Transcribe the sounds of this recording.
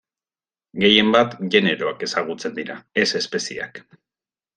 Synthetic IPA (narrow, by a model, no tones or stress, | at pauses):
ɡe̞je̞mbat̪ʝe̞ne̞ɾo̞ake̞saɣut͡se̞nd̪iɾae̞se̞spe̞sia̰k